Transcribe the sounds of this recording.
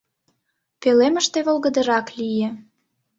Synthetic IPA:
peleməʃt̪eβolɣə̆d̪ə̆ɾɑklije

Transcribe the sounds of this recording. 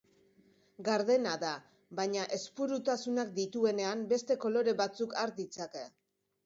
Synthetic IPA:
ɡaɾðe̞naða | βaɲaʔe̞spuɾut̪asunak̚d̪it̪ue̞ne̞ambe̞st̪e̞ko̞lo̞ɾe̞βat͡sukaɾd̪it͡sake̞

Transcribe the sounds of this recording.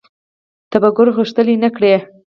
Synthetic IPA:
t̪abaɡʊɾɣuʂt̪əlinakɽe

